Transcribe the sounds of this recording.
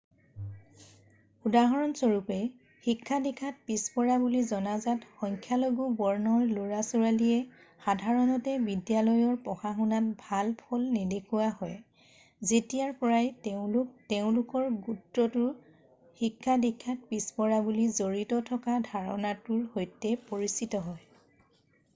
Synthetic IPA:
udaɦɔɹɔnsoɹupɛ | xikʰːadikʰat̚pispɔɹabulizɔnazatxɔŋkʰjaloɡubɔɹnɔɹloɹasuɹaliɛ | xadʱaɹɔnɔtɛbidijalɔjɔɹpɔxaxunat̚bʱalpʰɔlnedekʰuahɔj | zetijaɹpɔɹajteʊ̃lʊk̚teʊ̃lʊkɔɹɡutːɔtʊɹ | xikʰːadikʰːat̚pispɔɹabulizoɹitɔtʰɔkadʱaɹɔ̰natʊɹhojtɛpoɹisitɔɦɔj

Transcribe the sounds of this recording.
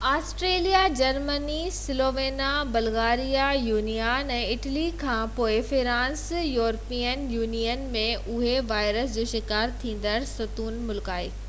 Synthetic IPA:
aːsʈɾeːlijad͡ʑɐɾmənisɪloːʋeːnabɐlɣaːɾijajuːnijaɛ̃ːɪʈəlikʰãpoːɪfɪɾãːnsjuːɾpijənjuːnijənmẽʔʊɦeʋaːɪɾəsd͡ʑoːʃɪkaːɾt̪ʰĩːn̆d̪əɾsɐt̪uːnmʊlkaːɪk

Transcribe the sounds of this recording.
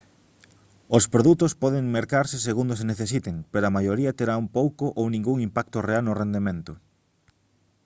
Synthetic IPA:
ospɾoðut̪ʊspɔðeŋmeɾkaɾseseɣund̪ʊs̬eneθesit̪eŋpeɾoɐmajoɾiɐt̪eɾaumpowkoʔownĩŋɡuŋimpak̚t̪orealnʊrend̪emẽnt̪ʊ

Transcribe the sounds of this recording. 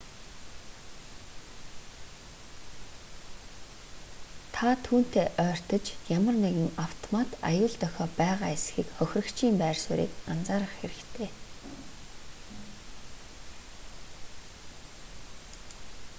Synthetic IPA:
t̪ʰat̪ʰuːn̥t̪ʰeːʔœːr̥t̪ə̆t͡ɕjamə̆rneɣɘ̆ŋaw̥t̪ʰɔmat̪a̰jʊːɮt̪œxʲɔːpæːʁaːesxiːkχœxʲrɵ̆kt͡ɕʰiːmpæːrsʊ̰ːɾḭːkant͡saːɾə̆χxeɾɘ̆kt̪ʰeː

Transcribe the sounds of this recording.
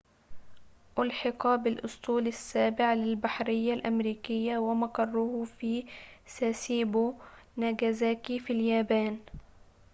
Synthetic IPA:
ʔʊlħɑqɑbɪlʔʊsˤt̪ˤuːlasːaːbɪʕlɪlbaħɾɪjːalʔamɾiːkɪjːawɪmaqɑrˤːʊhfiːsaːsiːbunaɡazaːkifiljaːbaːn

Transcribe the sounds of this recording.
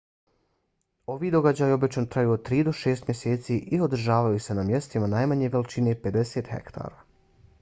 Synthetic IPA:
o̞ʋiːd̪o̞ɡad͡ʑaːjo̞bit͡ʃant̪ɾajuːod̪̚t̪ːɾiːd̪o̞ʃeːst̪mje̞seːt̪siːʔio̞d̪r̩ʒaːʋajuːse̞namje̞st̪imanajmaɲe̞ʋe̞lit͡ʃine̞pe̞d̪e̞se̞ːt̪xḛkt̪ʰa̰ːɾaː

